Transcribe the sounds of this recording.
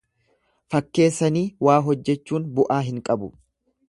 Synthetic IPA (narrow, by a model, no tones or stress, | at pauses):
fɐkːe̞ːsːɐniːwaːɦɔd͡ʒːɛt͡ʃːuːnbʊʔaːɦɪŋkʼɐbʊ